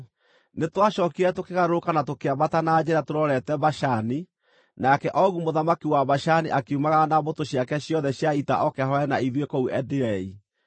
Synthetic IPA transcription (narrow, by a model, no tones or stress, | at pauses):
netwaʃɔkiɾɛtokeɣaɾokanatokeabatanad͡ʑeɾatoɾɔɾɛtɛβaʃani | nakɛʔɔɣumoðamakiwaβaʃaniʔakeumaɣanaβotoɕjakɛɕjɔðɛɕjaita̰ʔɔkɛhɔɛnaiðwekɔuɛdiɾɛi